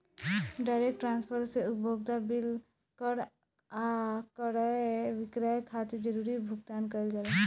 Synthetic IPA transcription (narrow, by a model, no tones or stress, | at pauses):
ɖaːɪɾek̚ʈːɾãːnspʰəɾseʊbʱoːɡt̪abɪl | kəɾ | akəɾəʋɪkɾakʰat̪ed͡ʒəɾuːɾibʱʊɡt̪aːnkəld͡ʒale